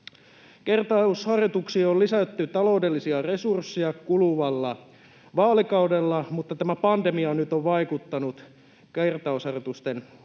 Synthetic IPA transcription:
kert̪ɑushɑrjot̪uksiːollisæt̪ːyt̪ɑlo̞udelːisiɑre̞sursːiɑkuluʋɑlːɑ | ʋɑːlikɑudelːɑmut̪ːɑt̪æmæpɑnd̪emiɑnyt̪oʋʋɑikut̪ːɑnut̪ | kert̪ɑushɑrjot̪ust̪en

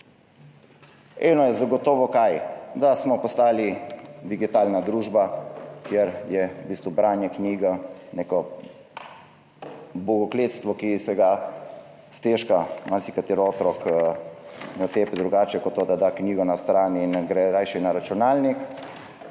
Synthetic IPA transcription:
ɛːnɔjɛzaɡɔt̪ɔːʋɔkajd̪asmɔpɔst̪aːlid̪iɡit̪aːlnad̪ɾuːʒbakjeɾjɛbiːst̪ʋubɾaːnjɛkniːɡanekɔ | bɔɡɔkleːt̪st̪ʋɔkisɛɡa | st̪eʃkamaɾsikat̪iɾoːt̪ɾɔk | nɔt̪eːpɛd̪ɾuɡaːt͡ʃɛkɔt̪ːoːd̪ad̪akniːɡɔnast̪ɾaːninɡɾɛɾajʃɛnaɾat͡ʃunaːlnik

